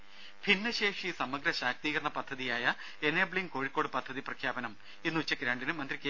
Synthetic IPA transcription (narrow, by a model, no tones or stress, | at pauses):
pʰinːɐɕeːʂisɐmːɐɡɾɐɕaːk̚t̪iːɣɐrɐɳɐpɐd̪ʱːɐðijaːjɐ | eneːbɭiŋko̞ːɻikːo̞ːɽɨpɐd̪ʱːɐðiprɐkʰjaːbɐnɐm | enːɨuit͡ɕːɐkːiɾaːɳɖinɨmːɐnd̪rikʲː